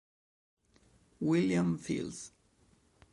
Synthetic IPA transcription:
wɪljãmfḭls

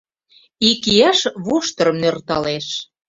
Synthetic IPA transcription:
ikijæʃβuʃt̪ɤrɤmnørt̪ɑleʃ

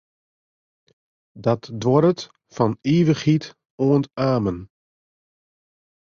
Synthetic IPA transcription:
dɔtdwɔɾət | fɔniːvəχit | oəntaːmən

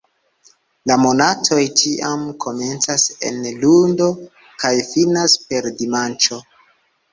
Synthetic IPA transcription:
lamo̞natʰo̞jtʰiʔamkʰo̞me̞nt͡sase̞̰nlundo̞ | kajfinaspe̞ɾdimant͡ʃo̞

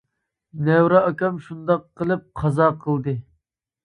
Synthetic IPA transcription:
nɛwɾɛɑkʲɑmʃund̪ɑqːəlˠɨp̚qʰɑzɑːqʰəlˠd̪ɨ

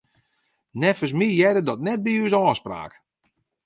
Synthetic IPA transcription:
nɛfəs̬mijɛdədɔtnɛt̚biysɔːspra̰ːk

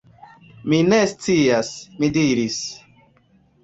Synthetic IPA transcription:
minest͡siasmidiɾis

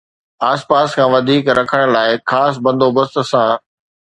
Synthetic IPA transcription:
aːspaːskʰãːʋɐd̪ʱiːkɾɐkʰəɽ̃ʊlaːɪxaːs̬bɐ̃nd̪ʱobɐst̪sãː

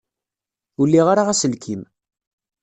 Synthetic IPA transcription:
ulːiʁaɾaʁæsəlkʰim

